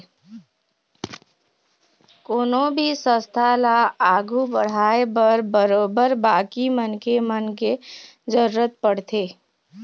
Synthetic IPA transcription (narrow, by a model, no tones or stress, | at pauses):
koːnobʱisə̃st̪ʰalaaːɡʱubəɽ̤aːebəɾbəɾoːbəɾbaːkimənkemənke | d͡ʒəɾuɾət̪̚pəɽ̤t̪ʰeː